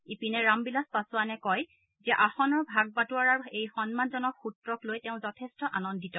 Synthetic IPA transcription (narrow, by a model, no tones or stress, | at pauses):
ipinɛɹambilaspasʊanɛkɔj | zɛʔaxɔnɔɹbʱaɡ̚batuaɹaɹejxɔnmanzɔnɔkxutɹɔklojtɛʊ̃zɔtʰɛstɔʔanɔndʱitɔ